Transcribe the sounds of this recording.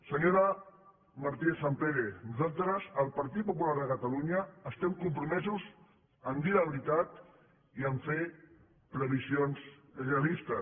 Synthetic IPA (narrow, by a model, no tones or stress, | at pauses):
səɲoɾə | maɾt̪iesampeɣenuzalˠt̪ɾəzəlˠpaɾt̪it̪̚pupulaɾðəkət̪aluɲəːst̪ɛmkumpɾumɛzuz | ənd̪iləβɾit̪at̪ | iəɱfe | pɾəβizionzrealist̪ə